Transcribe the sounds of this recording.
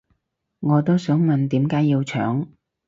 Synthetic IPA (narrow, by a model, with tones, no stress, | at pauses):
ŋɔː˨˧t̪o˥wsœː˨˥ŋmɐ˨nt̪iː˨˥mkaː˨˥jiː˧wt͡ʃʰœ̰ː˨˥ŋ